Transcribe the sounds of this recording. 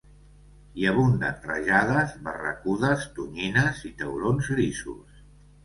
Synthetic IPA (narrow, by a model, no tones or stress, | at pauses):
jaβund̪ə̰rəʒaðəzβə̰rə̰kuðəst̪uɲinəzit̪əwlonzɣɾisṵs